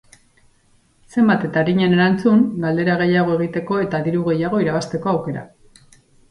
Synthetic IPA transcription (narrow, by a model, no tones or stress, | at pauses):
se̞mbat̪e̞t̪aɾiɲene̞ɾant͡suŋɡald̪e̞ɾaɣ̞e̞jaɣ̞o̞e̞ɣ̞it̪e̞ko̞e̞t̪aðiɾuɣ̞e̞jaɣ̞o̞iɾaβast̪e̞ko̞awke̞ɾa̰